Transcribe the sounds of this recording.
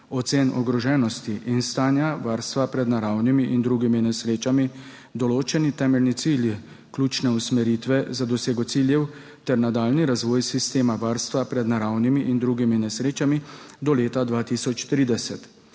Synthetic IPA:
ɔt̪seːnɔ̰ɡɾɔʒɛːnɔst̪iʔinst̪aːnjaʋaːɾst̪ʋapɾɛd̪naɾawnimiʔind̪ɾuɡiminɛsɾeːt͡ʃami | d̪ɔloːt͡ʃɛnit̪ɛːmɛlnit̪silji | kluːt͡ʃnɛusmɛɾiːt̪ʋɛzad̪ɔseːɡɔt̪siljɛw | t̪ɛɾnad̪aːlniɾazʋɔːjsist̪eːmaʋaːɾst̪ʋapɾɛd̪naɾawnimiʔind̪ɾuɡiminɛsɾeːt͡ʃamid̪ɔleːt̪ad̪ʋaːt̪isɔt͡ʃt̪ɾiːd̪ɛsɛt̪

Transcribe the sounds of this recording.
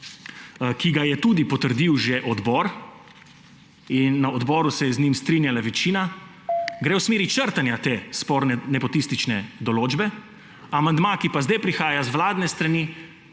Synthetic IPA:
kiɡajɛt̪ud̪ipɔt̪əɾd̪iwʒɛʔɔd̪bɔɾ | inːaɔd̪bɔːɾusɛjɛznimst̪ɾinjalaʋɛt͡ʃiːna | ɡɾeːwsmeːɾit͡ʃəɾt̪anjat̪eːspɔɾnnɛpɔt̪ist̪it͡ʃnɛd̪ɔloːd͡ʒbɛ | amand̪makipazd̪ajpɾixaːjazʋlaːd̪nɛst̪ɾani

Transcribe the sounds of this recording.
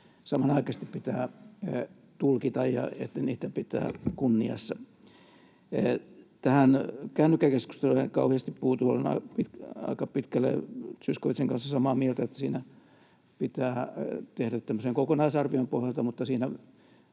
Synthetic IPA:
sɑmɑnɑikɑst̪ippit̪æː | t̪ulkit̪ɑjjɑ̰ḛt̪ːæniːt̪æpit̪æ̰ːkunːiɑ̰sːɑ | t̪æhænkæːnːykːækesku̥st̪eluekɑuhiɑst̪ippuhːt̪uo̰lːenɑ̰pit̪ɑ̰ikɑpit̪kælːḛsyskoʋit̪seŋkɑnsɑsɑmɑːmielt̪æet̪ːæ̥siːnæ | pit̪æːt̪ehdæt̪t̪æmːøseŋkokonɑisɑrʋiompohjɑlt̪ɑmut̪ːɑsiːnæ

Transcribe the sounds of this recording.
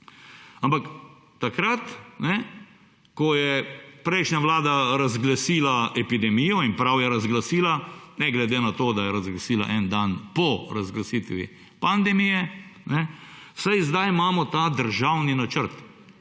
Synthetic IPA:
ampak | t̪ːakɾat̪nɛ | kɔjɛpɾɛɪʃnaʋlaːd̪aɾazɡlasiːlaɛpid̪ɛmijɔinpɾawjɛɾazɡlasiːlanɛɡlɛd̪eːnat̪oːd̪ajɛɾazɡlasiːla̰ʔɛnd̪anpɔɾazɡlasit̪ʋḭ | pand̪ɛmijɛnɛsajzd̪ajmaːmɔt̪aːd̪əɾʒawninat͡ʃəɾt̪

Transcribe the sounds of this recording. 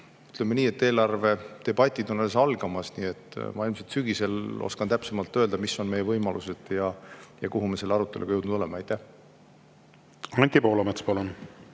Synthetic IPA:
y̥t̪ˑlemːeniːe̞t̪ːe̞ːlɑrve̞t̪e̞b̥ɑt̪ʲːˑid̪̥o̞noles̬ɑlɡ̥ɑmɑsniːe̞t̪ːˑmɑ̰ilmset̪syɡ̥ise̞lo̞̰skɑnt̪æpse̞mɑlt̪ːˑø̞ːld̪̥ɑmisːo̞nmejːevɤjmɑlʔuse̞d̪̥jɑjɑkuɦume̞se̞lːeɑɾut̪ˑːe̞lʔṵɡɑjewd̪nud̪ole̞mɑɑjt̪ˑːæh | ɑnʲt̪ʲipo̞ːlomet̪spɑlun

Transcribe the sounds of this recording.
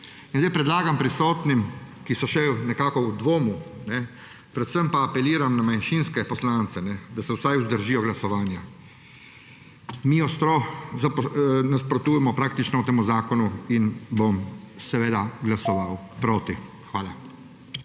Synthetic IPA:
inzd̪ɛjpɾɛd̪laːɡampɾisɔːt̪nim | kisɔʃɛwnɛkaːkɔwd̪ʋoːmunɛ | pɾɛt̪səmpaːpɛliːɾamnamanʃinskɛpɔslaːnt̪sɛnɛd̪asɛwsajuzd̪əɾʒiːjɔɡlasɔʋaːnja | miɔst̪ɾɔzapnaspɾɔt̪uːjɛmɔpɾaːk̚t̪it͡ʃnɔut̪eːmuzaːkɔnuinbomsɛʋeːd̪aɡlasɔʋawpɾoːt̪i | xʋaːla

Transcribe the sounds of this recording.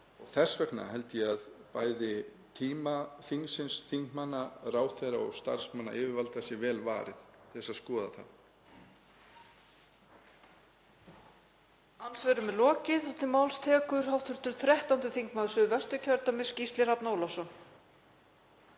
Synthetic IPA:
ɔɣθɛsːvɛkna̰ɦɛlt̪ɪjɛaðpaːjðɪ | t̪ʰiːmaθiŋsɪnsθiŋkmanːaraːwθɛɾa̰ɔ̰ɣst̪a̰ɾ̥smanːa̰ʔɪːvɪɾvalt̪asjɛvɛːlva̰ːɾɪθθɛsaðskɔːða̰θa̰n | ansvɛɾʏmɛlɔːcɪðɛt̪nɪmawlst̪ʰɛːkʏɾ̥ɦawht̪ʰʏɾ̥t̪ʏɾ̥θɾɛht̪awnt̪ʏθiŋkmaːðʏsʏvɛst̪ʏcʰœɾt̪amɪscist̪lɪrapnoːwlasɔ

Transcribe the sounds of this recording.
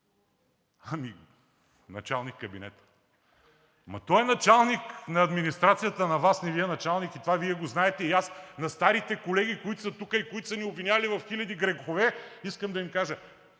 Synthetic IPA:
ami | nɐt͡ʃalˠnikːɐbinɛt̪ | mɐ̰t̪ɔɛnɐt͡ʃalˠniknɐɐd̪minist̪ɾat̪sijət̪ənɐvasnɛviɛnɐt͡ʃalˠnikit̪ovaviɛɡoznaɛt̪ɛiasnɐst̪aɾit̪ɛkolɛɡ̟ikoit̪ʊ̥sɐt̪ukəikoit̪ʊ̥səniobvinʲavɐlivɐfxilʲɐd̪iɡɾɛɡxovɛiskəmd̪ɐimkaʒə

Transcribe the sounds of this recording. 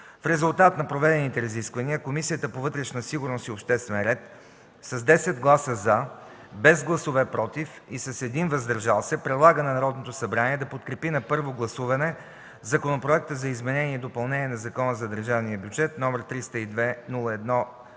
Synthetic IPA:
fɾɛzulˠt̪at̪nɐpɾovɛd̪ɛnit̪ɛɾɐziskvɐniəkomisijət̪əpovɤt̪ɾɛʃnəsiɡʊɾnosiopʃt̪ɛst̪vɛnɾɛt̪ | sɐzd̪ɛsɛd̪ɡlˠasəza | bɛzɡlˠɐsovɛpɾɔt̪ifisɐsɛd̪invɐzd̪ɐɾʒalˠsɛpɾɛd̪lˠaɡənɐnɐɾɔd̪not̪osɐbɾaniɛd̪ɐpot̪kɾɛpinɐpɤɾvoɡlˠɐsuvɐnɛ | zɐkonopɾoɛk̚t̪əzɐizmɛnɛniɛd̪opɐlˠnɛniɛnɐzɐkɔnəzɐd̪əɾʒavniəbʲjud͡ʒɛt̪nɔmɛɾt̪ɾist̪əid̪vɛnulˠəɛd̪nɔ

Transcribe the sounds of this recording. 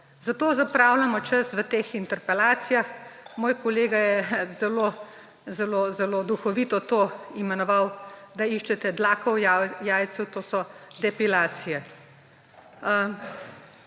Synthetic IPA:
zat̪oːzapɾaːwlamɔt͡ʃɐsʋət̪eːxint̪ɛɾpɛlaːt̪sijaxmoːjkɔleːɡajɛzɛlo | zɛloːzɛloːd̪uxɔʋit̪ɔt̪oːimɛnɔʋawd̪aiʃt͡ʃɛt̪ɛd̪laːkɔwjaːjsut̪oːsɔd̪ɛpilaːt̪sijɛ

